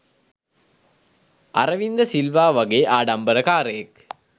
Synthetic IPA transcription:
a̰ɾəʋind̪əsilʋaːʋaɡeːʔaːɖɐmbəɾəkaːɾəjek

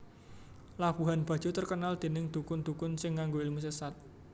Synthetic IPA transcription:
lab̥uɦanb̥ä̤d̥ʒ̥ut̪ərkənald̪̥e̤nɪŋd̪̥ukʊnd̪̥ukʊnsɪŋːaŋɡoilmusəsat̪̚

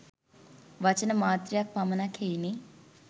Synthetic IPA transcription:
ʋɐt͡ʃənəmaːt̪ɾjak̚pamənakʰejni

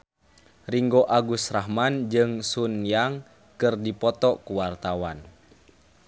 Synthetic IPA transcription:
riŋɡoʔaɡusraɦmand͡ʒɨŋsunjaŋ | kɨrdipɔt̪ɔkuwart̪awan

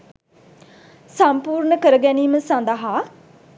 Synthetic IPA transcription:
sãmpuːɾnəkəɾɡɛːniːmə̃sãːnd̪aːɦaː

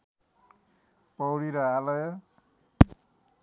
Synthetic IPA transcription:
pʌwɽiɾʌalʌjʌ

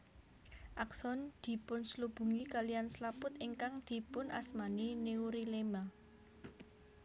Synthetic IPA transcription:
ʔaksɔnd̪̥i̤pʊnslub̥ṳŋikalijanslapʊt̪iŋkaŋd̪̥i̤pʊnʔa̰smanineuɾilema

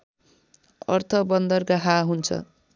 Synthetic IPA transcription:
ʌ̰rt̪ʰʌbʌnd̪ʌrɡaɦaɦunt͡sʰʌ̰

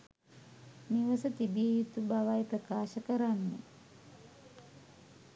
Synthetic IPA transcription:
niʋəsət̪ibijəjut̪ubaʋajprəkaːʃəkəɾanːḛ

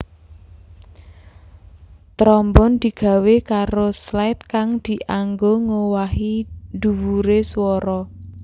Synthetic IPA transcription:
t̪ɾɔmbɔnd̪̥i̤ɡ̥ä̤wekaɾoslaɪt̪̚kaŋd̪̥i̤ʔaŋɡoŋowaɦid̪̥uwuɾeswɔɾɔ

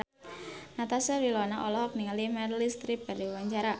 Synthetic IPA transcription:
nat̪asəwilɔnaʔɔlɔhɔk̚niŋəlimɛrlist̪ɾip̚b̥ardiwaɲt͡ʃaɾa

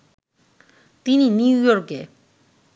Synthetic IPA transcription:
t̪ininijɔʔkːi

